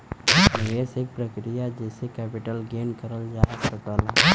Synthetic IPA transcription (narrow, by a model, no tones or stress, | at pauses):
nesek̚pɾəkɾijad͡ʒesekɛːpɪʈəlɡeːnkəɾəld͡ʒaːsət̪ala